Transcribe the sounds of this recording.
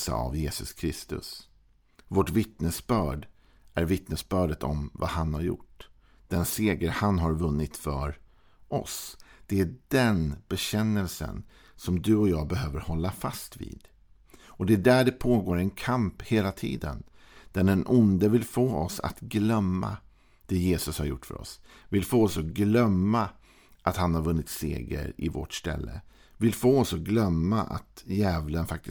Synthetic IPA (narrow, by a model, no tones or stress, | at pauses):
sɑ̰ːa̰vjeːsɵskʰɾɪst̪ɵ̰s | voʈvɪt̪nəsbœːɖ | ʔæɾvɪt̪nəsbœːɖət̪ʰɔmva̰hanhaɾjʊ̰ʈː | d̪̥ɛnseːɡəɾhanɦaɾvɵnːɪt̪fœɾ | ʔɔ̰sd̪̥ɛæɖɛnbɛɕɛnːəlsə̰n | sɔmd̪ɵɔjɑːɡbɛɦøːvəɾhɔlːafast̪vḭːd̪̥ | ɔd̪ɛæɖæɖɛpʰoːɡoːɾɛnkʰampheːlat̪ʰḭːd̪ə̰n | d̪̥æɖɛnʔʊnd̪əvɪlfoːɔsa̰t̪ɡlœmːa̰ | d̪̥ɛjeːsɵshaɾjʊ̰ʈːfœ̰ɾɔ̰svɪlfoːɔsɔɡlœmːa | ʔat̪hanhaɾvɵnːɪt̪sḛːɡə̰ɾɪvɔ̰ʈst̪ɛ̰lːə̰ | vɪlfoːɔsɔɡlœmːaʔa̰t̪jɛːvlənfak̚t̪ɪ